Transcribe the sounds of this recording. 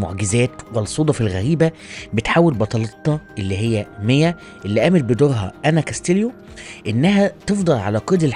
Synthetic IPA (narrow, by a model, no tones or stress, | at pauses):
mo̰ʕɡɪzæːt̪wælsˤuːd̪ˤɑfilɣæɾiːbæ | bet̪ħaːwelbɑt̪ˤɑlɑt̪ˤːɑʔelːiɦejːæmejæ | ʔelːiʔæːmet̪̚bed̪oːɾɦɑʔænækæst̪eljo | ʔenːæɦæt̪efd̪ˤɑlʕa̰læqed̪el